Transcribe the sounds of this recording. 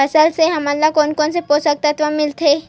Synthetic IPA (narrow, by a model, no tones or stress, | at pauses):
əsəlseɦɐmɐlːakɔːnkɔːnsepoːsək̚t̪at̪ʋamɪlt̪ʰeː